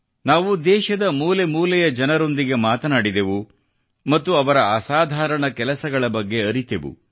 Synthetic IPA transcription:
naːʋud̪ɛːʃɐd̪ɐmuːle̞muːlɛjɐd͡ʒɐnɐɾo̞nd̪iɡe̞maːt̪ɐnaːɽid̪e̞ʋu | mɐt̪ːuɐʋɐɾɐɐsaːd̪ʱaːɾɐɳɐkɛlɐsɐɡɐɭɐbɐɡːe̞ɐɾit̪eʋṵ

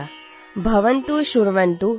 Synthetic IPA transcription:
bʱɐʋɐnt̪uʃuɾʋɐnt̪u

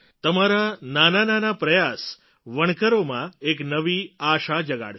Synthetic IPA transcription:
t̪əmaɾananananapɾəjas | ʋəɳ̃kəɾomãeknəʋiaʃad͡ʒəɡa̰ɽ

